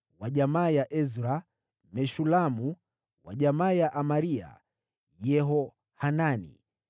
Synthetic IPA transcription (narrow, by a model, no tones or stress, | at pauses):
waʄamaːjaʔɛzɾa | mɛʃulamu | wa̰ʄamaːjaʔamaɾia̰ | jɛɦɔ | hananḭ